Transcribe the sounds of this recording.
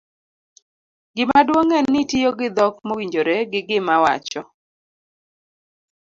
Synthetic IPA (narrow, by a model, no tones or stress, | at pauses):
ɡɪmadwoŋɛnnːɪtijoɡɪd̪ɔkmowiɲd͡ʒoɾeɡɪɡɪmawa̰t͡ʃɔ